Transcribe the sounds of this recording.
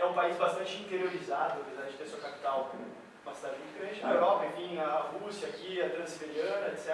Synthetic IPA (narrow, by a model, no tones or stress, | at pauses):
ɛũpaizbast̪ɐ̃nt͡ʃɪĩnt̪eɾioɾizad̪ʊapezaɾd͡ʒɪt̪eɾsuɐkapi̥t̪awp | mɐsd̪aɾd͡ʒũd͡ʒɪkɾẽt͡ʃɪɐewɾɔpɐĩvĩj̃nɐhusjɐkiɐt̪ɾɐ̃zibeɾiɐ̃nɐesɛ